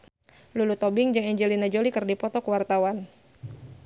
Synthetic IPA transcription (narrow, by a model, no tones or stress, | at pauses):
lulut̪ɔbɪŋd͡ʒaŋɛɲd͡ʒɛlinad͡ʒolikɨrdipɔt̪ɔkəwart̪awan